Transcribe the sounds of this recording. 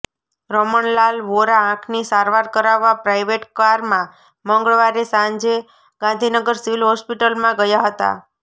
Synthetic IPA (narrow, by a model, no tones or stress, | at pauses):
ɾɔməɳlalʋoɾaãkʰnisaɾʋaɾkəɾaʋːapɾajʋeʈkaɾmã | məŋɡəɭʋaɾesãɲd͡ʒe | ɡ̥ãnd̪ʱinəɡəɾsiʋilɦɔspiʈəlmãɡəjaɦət̪a̰